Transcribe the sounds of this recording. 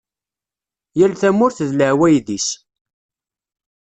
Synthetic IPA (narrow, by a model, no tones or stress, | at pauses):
jælθæmʊɾθəðləʕwæjðis